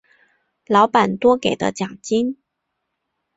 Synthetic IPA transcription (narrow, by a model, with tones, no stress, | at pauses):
lɑ˧˥ʊpa˨˩nt̪wɔ˥ke˨˩ɪd̪ə̰˦t͡ɕjɑ˨˩ŋt͡ɕi˥n